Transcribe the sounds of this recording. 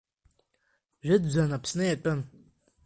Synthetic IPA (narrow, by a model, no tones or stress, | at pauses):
ʒʷᶣɪdd͡zʷanapʰsnɨjatʷʼɨn